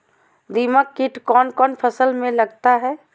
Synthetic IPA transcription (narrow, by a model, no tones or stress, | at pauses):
d̪iːməkːiʈkɔːnkɔːnpʰəsəlmẽlɐɡt̪aɦɛː